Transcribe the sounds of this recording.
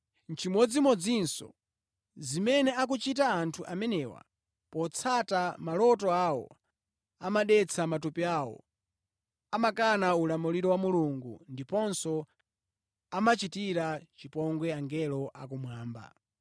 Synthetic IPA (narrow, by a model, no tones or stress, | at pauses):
nt͡ʃimɔd͡zimɔd͡zinsɔ̰ | zimɛnɛak̬ut͡ʃit̬aːntʰuʔamɛnɛwa̰ | pɔt͡sʰatamalɔtɔawɔ̰ | amaɗɛt͡sʰamatupiawɔ̰ | amakanaulamuliɾɔwamuluŋɡṵndipɔnsɔ | amat͡ʃitiɾat͡ʃipɔŋɡwɛaŋɡɛlɔʔakumwaːmba̰